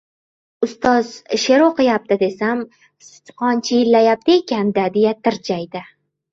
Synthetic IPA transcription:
ʊst̪ɒz̥ʃe̞ɾoqʰɨjap̚t̪ʰɪd̪e̞sam | sʊ̥t̪qʰɒnt͡ʃʰɪjɪlːajap̚t̪ʰɪekʲand̪ad̪e̞jat̪ʰɪɾd͡ʒajd̪ɪ

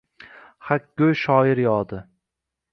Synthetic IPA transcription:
hakʲɡɵjʃɒːɪɾjɒːd̪ɪ

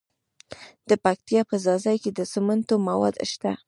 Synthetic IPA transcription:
d̪̥əpak̚t̪ijɑpəzɑzajked̪əsəmant̪omawɑ̰d̪ʃt̪a

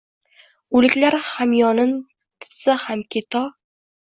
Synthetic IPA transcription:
ʊlɪkʲlaɾhamjɒnɪn | t̪ʰɪ̥sahamkʲʰet̪ʰɒ

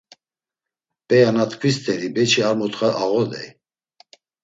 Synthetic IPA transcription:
pʼɛjanat̪ʰʼkʰwist̪ʰʼɛɾibɛt͡ʃʰiaɾmɔt̪χaʔaɣɔd̪ɛ̰j

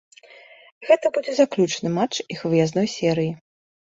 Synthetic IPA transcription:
ɣɛt̪ɐbud͡zʲɛzaklʲut͡ʂnɨmat͡ʂixvɨjaznɔjsʲɛɾɨji

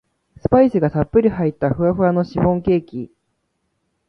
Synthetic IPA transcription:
sɨ̥paisɨɡasapːɯ̟ɾʲiɦait̪ːaɸɯ̟aɸɯ̟ano̞ɕiɸõ̞ŋke̞ːkʲi

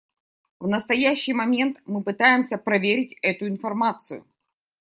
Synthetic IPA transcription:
vnəst̪ɐjæɕːɪjmɐmʲe̞nt̪mɨpɨt̪ajɪmsʲəpɾɐvʲeɾʲɪtʲɛt̪ʊɪnfɐrmat̪sɨjʊ̰

